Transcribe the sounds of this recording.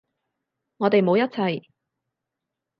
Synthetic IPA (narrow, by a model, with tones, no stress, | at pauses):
ŋɔː˨˧t̪e˨jmo˨˧wjɐ˥t̚t͡sʰɐ˧j